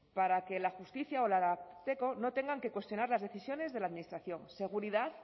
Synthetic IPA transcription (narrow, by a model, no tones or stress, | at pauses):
paɾake̞laxust̪iθjaolaat̪e̞ko̞no̞t̪e̞ŋɡaŋke̞kwe̞st̪jo̞naɾlazðe̞θisjo̞ne̞zðe̞laðminist̪ɾaθjo̞ŋse̞ɣ̞uɾiðaθ